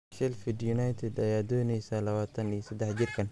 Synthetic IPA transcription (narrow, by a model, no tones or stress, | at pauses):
ʃɛlfɪd̪jʊnajt̪ʰɪd̪ɐjaːd̪ɔːnɛjsɐlɐwaːt̪ʰɐnijsɐd̪ɛħd͡ʒɪrkʰɐn